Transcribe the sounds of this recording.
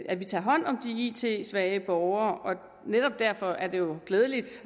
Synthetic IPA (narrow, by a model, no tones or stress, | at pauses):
æʋit͡sʰɑ̈ːɦɒ̽n̰ɒ̽md̥iit͡sʰe̝̰sʋæːəb̥ɒʊɐːʔɒ̽ | neɾ̥ɒ̽b̥̚d̥æɐ̰fɒ̽ʔæɐd̥e̝jo̝ɡ̥leːð̞ˠəlid̥